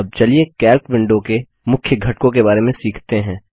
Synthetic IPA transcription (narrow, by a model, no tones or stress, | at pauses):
ɐb̚t͡ʃɐliekɛːlkʋɪ̃ɳɖõke | mʊkʰjəɡʱɐʈ̚kõk̬ebaːɾemẽsiːkʰt̪eɦɛ̃ː